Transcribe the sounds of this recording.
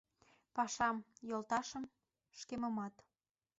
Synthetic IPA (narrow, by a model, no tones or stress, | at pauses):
pɑʃɑmjolt̪ɑʃə̆m | ʃkemə̆mɑt̪